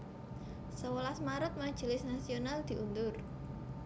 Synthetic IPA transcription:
səwəlasmaɾʊt̪̚mḁʒ̥i̤lɪsnasionald̪̥i̤ʔund̪ʊr

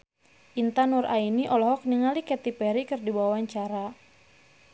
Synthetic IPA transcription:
ʔint̪anurʔainiʔɔlɔɦɔk̚niŋalikɛt̪ipɛɾikɨrdibawawaɲt͡ʃaɾa

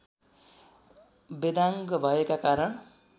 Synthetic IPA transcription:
bed̪aŋɡʌbʱʌekakaɾʌɳ

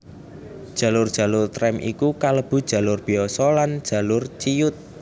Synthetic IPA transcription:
d̥ʒ̥ä̤lʊrd̥ʒ̥a̤lʊrt̪ɾɛmʔḭkukaləb̥ṳd̥ʒ̥a̤lʊrb̥i̤ɔsɔland̥ʒ̥a̤lʊrt͡ʃijʊt̪̚

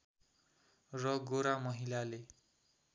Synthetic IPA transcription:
rʌɡoɾamʌɦilale

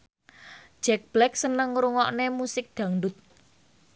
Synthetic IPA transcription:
d͡ʒ̥ɛk̚b̥lɛk̚sənəŋɾuŋɔʔnemusɪk̚ɖ̥ä̤ŋɖʊt̪̚

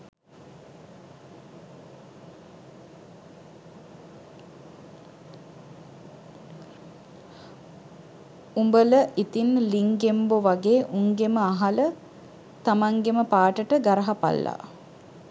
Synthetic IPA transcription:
umbələʔit̪inliŋɡemboʋaɡeːʔuŋɡeməaɦalə | t̪amaŋɡeməpaːʈəʈəɡaɾəɦapa̰lːa̰

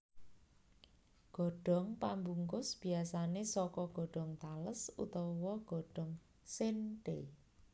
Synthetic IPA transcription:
ɡ̥ɔ̤ɖ̥ɔ̤ŋpambuŋkʊsb̥i̤asanesɔkɔɡ̥ɔ̤ɖ̥ɔ̤ŋt̪aləsṵt̪ɔwɔɡ̥ɔ̤ɖ̥ɔ̤ŋ | sɪnʈe

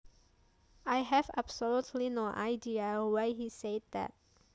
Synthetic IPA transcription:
ʔajɦɛvabsolutʰlinoʔa̰ɪdiəwaɪhised̚d̪ɛ̰t̚

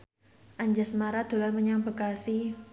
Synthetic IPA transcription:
ʔaɲd͡ʒasmaɾad̪̥o̤laməɲaŋbəkasi

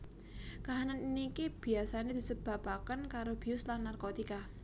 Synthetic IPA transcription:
kaɦananinikeb̥i̤asaned̪̥isəb̥a̤pakənkaɾob̥iʊslanːarkot̪ika

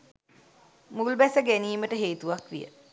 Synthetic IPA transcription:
mulbæsəɡæniːməʈəɦeːt̪uʋakʋḭjə̰

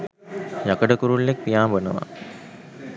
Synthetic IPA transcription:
jakəɖəkuɾuɭːek̚pijaːmbənə̰ʋa̰

